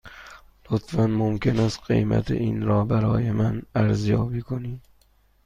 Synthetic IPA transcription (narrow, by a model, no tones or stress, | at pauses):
lʊt̪ʰfanmʊmkʲʰɪnast̪qḛjma̰t̪ʰɪ̰ʔinɾɒːbæɾɒːjɪmanæɾzjɒːbiːkʰoni